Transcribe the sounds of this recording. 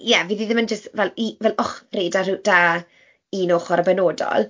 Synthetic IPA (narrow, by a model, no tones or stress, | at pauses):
jɛviðiðɪmənd͡ʒəstvɛlˠivɛlˠɔχreːdarud̥aː | inoːχɔɾəbɛnoːdɔ̰lˠ